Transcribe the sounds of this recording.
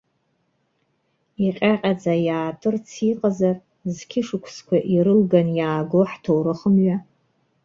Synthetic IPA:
iqʲʼaqʲʼad͡zajaːtʼɨrt͡sʰiqʼazar | zkʲʰɪʂɨkʷʰskʷʰaʔiɾɨlɡanjaːɡoħtʰowɾɨχəmɥa

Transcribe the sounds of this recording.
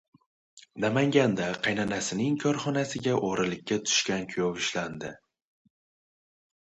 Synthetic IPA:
namaŋɡʲand̪aqʰɑjnanasɪnɪŋkʰɒɾχɒnasɪɡʲaʔoɾɪlɪkʲːat̪ʰʊ̥ʃkʲankʲʰʊjɒvɪʃland̪ɪ

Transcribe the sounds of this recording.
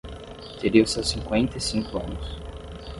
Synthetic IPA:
t̪eɾiwsɛwsĩŋkwẽnt̪ɐisĩŋkʊɐ̃nʊs

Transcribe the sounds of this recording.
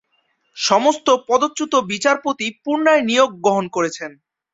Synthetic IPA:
ʃɔmost̪opɔd̪ot̪ːut̪obit͡ɕaɾpot̪ipuɾnaenijoɡ̚ːɾoɦonkoɾet͡ɕʰen

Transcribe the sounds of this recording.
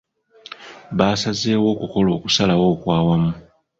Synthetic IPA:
βasazeːwo̞ːkuko̞lo̞ːkusalawo̞ːkwaːwamu

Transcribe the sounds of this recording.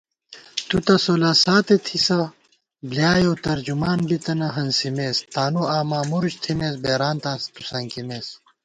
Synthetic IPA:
t̪ut̪ɐsoːlaːsaːt̪et̪ʰisɐ | bljaːjot̪ɐɾd͡ʑumaːnbit̪ɐnɐɦɐnsimeːst̪aːnuaːmaːmuɾuɕt̪ʰimeːsbeːɾaːnt̪ãːst̪u̥sɐŋkimeːs

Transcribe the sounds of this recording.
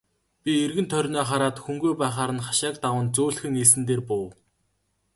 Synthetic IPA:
pʲierɣɘ̆nt̪ʰœɾʲnɔːχaɾaːt̪xuŋɡujpæːχaːɾə̆nχaʃaːk̚t̪awə̆ːnt͡sʊːɮxɘ̆ŋes̬ɘ̆nt̪eːrpʊː

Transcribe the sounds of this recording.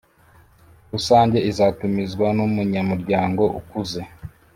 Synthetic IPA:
ɾusaːɲɟe̞izatumizɡwanumuɲamuɾɟaːŋɡo̞ʔṵkuze̞

